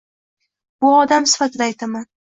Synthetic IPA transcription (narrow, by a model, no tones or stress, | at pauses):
b̥ʊɒd̪amsɪ̥fat̪ʰɪd̪aːjt̪ʰaman